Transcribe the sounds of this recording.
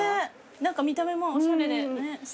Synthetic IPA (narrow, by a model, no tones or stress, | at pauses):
e | nãŋkamʲit̪ame̞mosõɾenenes